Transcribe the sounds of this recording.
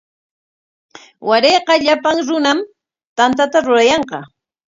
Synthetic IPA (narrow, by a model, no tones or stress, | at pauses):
waɾeːqɑʎapaŋɾʊnam | t̪ant̪at̪aɾʊɾajɑɴqɑ